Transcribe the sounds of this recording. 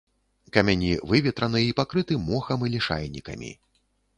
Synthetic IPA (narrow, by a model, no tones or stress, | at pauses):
kɐmʲanʲivɨvʲɛt̪ɾɐnɨipakɾɨt̪ɨmɔxɐmɨlʲiʂa̰jnʲikɐ̰mʲḭ